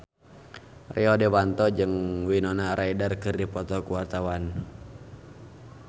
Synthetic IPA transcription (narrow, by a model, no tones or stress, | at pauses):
rʔɛɔdɛwant̪ɔd͡ʒɨŋwinɔnaɾʔaidarkɨrdipɔt̪ɔkuwart̪awan